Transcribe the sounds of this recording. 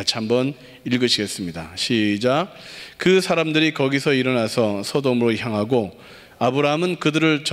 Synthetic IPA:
at͡ɕʰiɦambʌn | iɭɡɯɕʰiɡe̞s͈ɯmɲidaɕʰid͡ʑakɯsʰaɾamdɯɾikʌɡisʰʌiɾʌnasʰʌsʰʌdomɯɾoçjaŋɦaɡo | abɯɾaɦmɯnkɯdɯɾɯɭt͡ɕ

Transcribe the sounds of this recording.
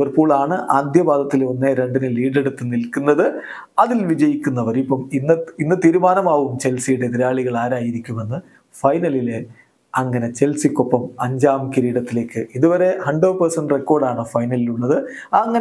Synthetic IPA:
ʋɐrpoːɭaːɳɨʔaːd̪ʱjɐbaːd̪ɐt̪ːileonːeɾe̞ɳɖinɨliːɖe̞ɽut̪ːɨnilkːunːɐðɨ | ɐðilʋid͡ʑɐjikʲːunːɐʋɐɾipːɐminːɐinːɨt̪iːɾumaːnɐmaːʋumt͡ɕe̞lsijuɽe̞ðiɾaːɭiɣɐɭaːɾaːjiɾikʲːume̞nːɨ | fɐjnɐlile | ɐŋːɐne̞t͡ɕe̞lsikʲːo̞pːɐmɐɲd͡ʑaːmkiɾiːɽɐt̪ːile̞ːkːɨʔiðuʋɐɾe̞hɐɳɖoːʋpɐrsɐɳɖrekːo̞ːɖaːɳɨfɐjnɐliluɭːɐðɨ | aɐŋːɐn

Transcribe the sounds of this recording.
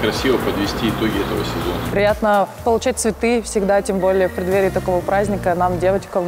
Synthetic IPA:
kɾɐsʲivəpəd̪vʲɪsʲtʲiːɪt̪o̞ɡʲɪɛt̪əvəsʲɪzo̞nəɾʲɪjat̪nəpəlˠʊt͡ɕat̚ʲt̪svʲɪt̪ɨfsʲɪɡd̪atʲembo̞lʲɪjəpɾʲɪd̪vʲeɾʲɪt̪ɐko̞vəpɾʔazʲnʲɪkənamdʲevət͡ɕkəm

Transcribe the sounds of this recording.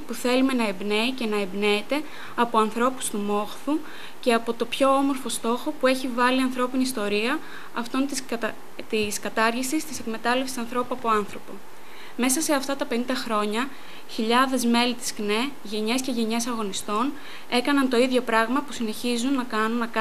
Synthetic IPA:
puθe̞lume̞nɐebne̞ice̞nɐebne̞ːt̪e̞ | ɐpoɐnθɾo̞pu̥st̪umo̞xθu | ce̞ɐpo̞t̪o̞pço̞omo̞ɾfo̞st̪o̞xo̞pue̞çivɐliɐnθɾo̞piniːst̪o̞ɾiɐ | ɐft̪o̞nt̪ | t̪iskɐt̪ɐɾʝisist̪ise̞kme̞t̪ɐle̞fsi̥sɐnθɾo̞puɐpo̞ɐnθɾo̞po̞ | me̞sɐse̞ɐft̪ɐt̪ɐpe̞nĩnd̪ɐxɾo̞ɲɐ | çiʎɐðe̞zme̞lit̪i̥skne̞ | ʝe̞ɲe̞sce̞ʝe̞ɲe̞sɐɣo̞nist̪o̞n | e̞kɐnɐnt̪o̞iðʝo̞pɾɐɣmɐpusine̞çizunːɐkɐnunːɐkɐ

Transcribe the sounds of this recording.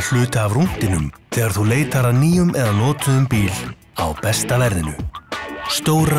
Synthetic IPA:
l̥ʏːt̪aːvrun̥t̪ɪnʏmθɛːɣaɾ̥θuleːjt̪aɾaniːjʏmʔɛðanɔːt̪ʏðʏmpiːl | a̰wpɛst̪avɛɾðɪnʏ̰ | st̪oːwɾa

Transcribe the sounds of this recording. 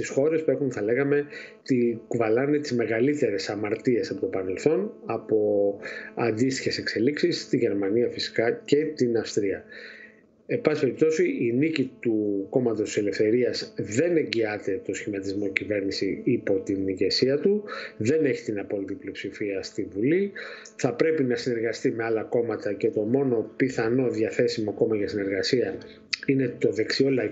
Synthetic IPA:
st̪isxo̞ɾe̞spue̞xunθɐle̞ɣɐme̞ | t̪ikuvɐlɐne̞t̪izme̞ɣɐlit̪e̞ɾe̞sɐmɐɾt̪ie̞sɐpo̞t̪o̞pɐne̞lθo̞nɐpo̞ɐnd̪ist̪içe̞se̞kse̞liksist̪iʝe̞ɾmɐniɐfisi̥kɐce̞t̪inɐfst̪ɾiɐ | ebɐsi̥pe̞ɾip̚t̪o̞siinicit̪uko̞mɐt̪o̞si̥sele̞fθe̞ɾiɐzðe̞ne̞ɲɟiɐt̪e̞t̪o̞sçimɐt̪izmo̞cive̞ɾnisiipo̞t̪inːiʝe̞siɐt̪uðe̞ne̞çi̥t̪inɐpo̞lit̪ipliopsifiɐst̪ivuli | θɐpɾe̞pinɐsine̞ɾɣɐst̪ime̞ɐlɐko̞mɐt̪ɐce̞t̪o̞mo̞no̞piθɐno̞ðjɐθe̞simoko̞mɐʝɐsine̞ɾɣɐsiɐ | ine̞t̪o̞ðe̞ksio̞lɐ

